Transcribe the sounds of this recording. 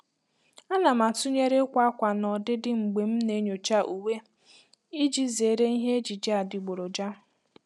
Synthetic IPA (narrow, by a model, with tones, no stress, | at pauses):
a˦na˨ma˨tu˦ɲe˦ɾe˦kʷa˦a˦kʷa˨nɔ˨dɪ˦dɪ˦ŋ͡m̩˨ɡ͡be˨m̩˦ne˦ɲo˨t͡ʃa˦ʔu˨we˦ | i˦d͡ʒi˦ze˨ɾe˦i˦ɦe˦e˦d͡ʒi˨d͡ʒa˨dɪ˨ɡ͡bo˨ɾo˨d͡ʒa˦